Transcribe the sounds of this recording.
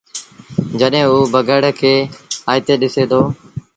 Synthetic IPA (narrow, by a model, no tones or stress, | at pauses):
d͡ʒəɗɦẽːuːbəɡəɽkʰeːaːjt̪eːɗɪseːd̪ʰoː